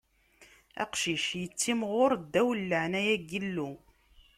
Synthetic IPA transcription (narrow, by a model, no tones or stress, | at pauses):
æ̰qʃiʃjət͡sːimʁʊɾd̪ːæwəlːəʕnæjæɡəlːu